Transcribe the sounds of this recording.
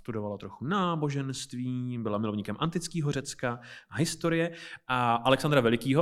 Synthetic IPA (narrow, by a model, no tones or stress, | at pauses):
st̪udo̞valat̪ɾo̞xunaːbo̞ʒɛnst̪viːbɪlamɪlovɲiːkɛmʔant̪ɪt͡skiːɦor̝ɛt͡skaɦɪst̪o̞ɾɪjɛʔaʔalɛksand̪ɾavɛlɪkiːɦo